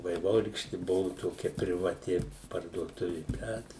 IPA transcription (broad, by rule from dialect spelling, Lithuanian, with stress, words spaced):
ʋɐɪˈʋoːrʲiːkʃʲtʲɪ ˈbʊʋʊ toːˈkʲɛ pʲrʲɪʋɐˈtʲɪ pɐrduɔˈtʊʋʲɪ ˈbʲɛt